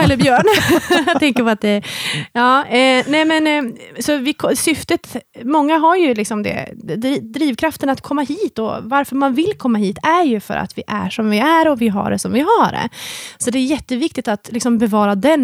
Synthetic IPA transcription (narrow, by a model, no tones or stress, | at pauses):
ɛlːəɾbjœːɳjat̪ʰɛŋkəɾpɔat̪̚d̪ɛjɑːnɛmɛnsɔvɪkʰɔsʏft̪ət̪mɔŋːaɦaɾjɵlɪksɔmd̪ɛ̰d̪id̪ɾiːvkʰɾaft̪ənat̪kʰɔmːaɦiːt̪ɔ̰vaɾfœɾmanvɪlkʰɔmːaɦiːt̪æɾjɵfœ̰ɾʔa̰t̪vɪʔæ̰ʂɔmvɪæɾɔvɪɦa̰ɖɛ̰sɔmvɪɦaɖɛ̰sɔd̪ɛːjjɛt̪ːəvɪk̚t̪ɪk̚t̪at̪lɪksɔmbɛvɑːɾad̪ɛn